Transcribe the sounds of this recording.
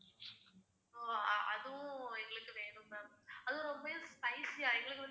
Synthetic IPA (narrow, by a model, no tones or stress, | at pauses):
oɐðũɛŋɡɐɭɯkːɯʋeːɾɯmaɐðɯ̃ɾɔmbɐespɐɪsjaɛŋɡɐɭɯkːɯɭ